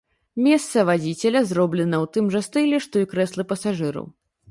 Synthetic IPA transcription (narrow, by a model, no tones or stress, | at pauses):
mʲɛst̪sɐvad͡zʲit͡sʲɛlʲɐzrɔblʲɛnɐwt̪ɨmʐɐst̪ɨlʲɛʂt̪ɔikɾɛslˠɨpɐsaʐɨɾɐ̰w